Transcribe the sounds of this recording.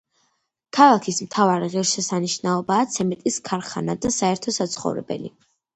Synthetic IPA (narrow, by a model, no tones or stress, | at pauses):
kʰalˠakʰismt̪ʰavaɾiʁiɾʃɛsaniʃnaɔbaːt̪sʰɛmɛt̪ʼiskʰaɾχa̰nad̪asaɛɾt̪ʰɔsat̪sʰχɔ̰vɾɛ̰bɛ̰lḭ